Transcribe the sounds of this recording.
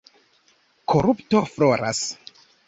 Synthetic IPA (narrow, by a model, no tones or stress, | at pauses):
kʰoɾuptofloɾa̰s